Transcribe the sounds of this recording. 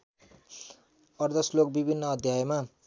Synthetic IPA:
ʌrd̪ʌslok̚bibʱinːʌːd̪ʱjajema

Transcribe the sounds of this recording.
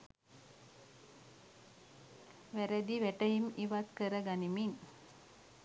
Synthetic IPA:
ʋæɾəd̪iʋæʈəɦimiʋat̪kəɾəɡanimin

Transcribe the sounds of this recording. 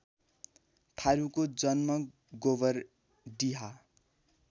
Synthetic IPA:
t̪ʰaɾukod͡zʌnmʌ | ɡobʌr | ɖiɦa

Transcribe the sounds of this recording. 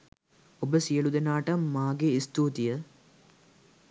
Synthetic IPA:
obəsijɐɭud̪enaːʈɐmːaːɡeist̪uːt̪ijə

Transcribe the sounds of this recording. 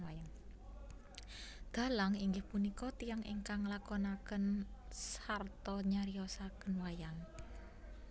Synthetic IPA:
ajaŋ | d̪̥a̤laŋiŋɡɪhpunikɔt̪ijaŋḭŋkaŋlakɔnakənsart̪ɔɲaɾiɔsakənwajaŋ

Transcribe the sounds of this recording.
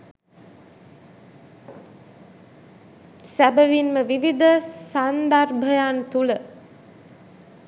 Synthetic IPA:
sæbəʋinməʋiʋid̪əsand̪arbʱəjant̪ulə

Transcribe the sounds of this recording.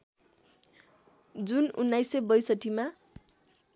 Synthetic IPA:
d͡zununːajsebʌjsʌʈima

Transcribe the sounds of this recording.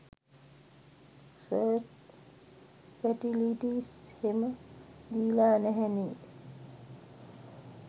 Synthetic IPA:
səɾt͡ʃ | fɛʈiliʈiːsheməd̪iːlaːnɛɦɛniː

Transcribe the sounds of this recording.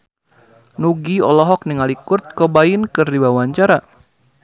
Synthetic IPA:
nuɡiɔlɔɦɔk̚niŋalikʊrt̪̚kɔbaɪnkɨrdiwawaɲt͡ʃaɾa

